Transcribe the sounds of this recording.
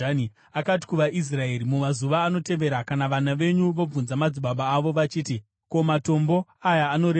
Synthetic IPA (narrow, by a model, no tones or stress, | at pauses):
ni | akat̬i̥kuʋaʔis̬rae̞ɾimumazuʋaːno̞te̞ʋe̞ɾakanaʋanaʋe̞ɲuʋo̞b͡vunzamad͡ziɓaɓaːʋo̞ʋat͡ʃiːti | ko̞mato̞mbo̞ajaːno̞ɾe